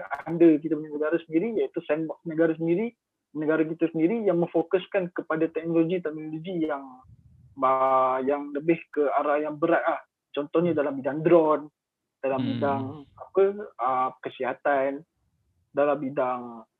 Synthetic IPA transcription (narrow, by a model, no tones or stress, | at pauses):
andək̬it̪abənanəɡaɾasəndiɾijait̪usɛnbɔksnəɡaɾas̬əndiɾi | nəɡaɾakit̪asəndiɾijaŋmə̃ŋfokuskankəpadat̪ɛk̚noloɡit̪ɛk̚noloɡijaŋ | bajaŋləbɪhkəaɾajaŋbəɾat̪̚lah | t͡ʃɔnt̪ɔhɲadalambidaŋd̪ɾɔn | d̥alambidaŋapəəkəsiɦat̪an | dalambidaŋ